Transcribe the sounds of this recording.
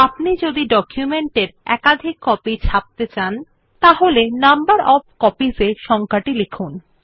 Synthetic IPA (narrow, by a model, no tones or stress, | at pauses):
apnid͡ʑod̪iɖɔkjumeɳʈeɾɛ̰kad̪ʱikːɔpit͡ɕʰap̚t̪et͡ɕan | t̪aɦolenambaɾɔb̚kɔpizeʃɔŋkaʈilekʰun